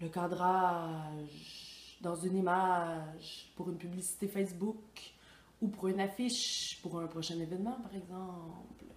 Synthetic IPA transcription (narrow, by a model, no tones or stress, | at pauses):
ləkɑd̪ʁa | ʒd̪ɑ̃zynimaʒpuʁynpyblisi̥t̪efɛsbuk | upuʁynafiʃpuʁɛ̃pχɔʃɛ̃nevɛnmɑ̃paʁɛɡzɑ̃pl